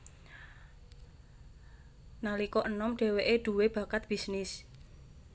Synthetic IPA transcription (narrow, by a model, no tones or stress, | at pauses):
nalikɔʔənɔmɖ̥ɛ̤weʔeɖ̥ṳweb̥ä̤kat̪̚b̥isnɪs